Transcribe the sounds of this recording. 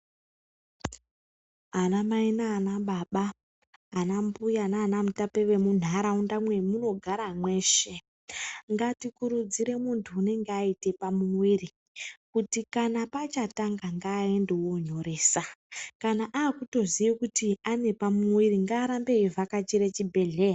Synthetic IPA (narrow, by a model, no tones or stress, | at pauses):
anamainaːnaɓaɓaː | nambujanaːnamutape̞ʋe̞mun̤aɾaundamwe̞muno̞ɡʱaɾamwe̞ːʃe̞ | ŋɡatikuɾud͡ziɾe̞muntʰuːne̞ŋɡeaite̞pamumwiri | kutikanapat͡ʃataŋɡaŋɡaːendewo̞ɲo̞ɾe̞ːsakanaʔaːkuto̞zijekutiane̞pamuwiɾiŋɡaːɾambe̞ivʱakat͡ʃiɾet͡ʃibʱe̞ɮe̞ːja